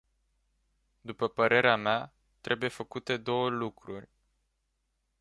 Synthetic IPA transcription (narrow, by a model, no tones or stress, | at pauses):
d̪upəpəɾʔe̞ɾeamea | t̪ɾʔe̞buje̞fəkut̪e̞d̪o̞wəlukɾurʲ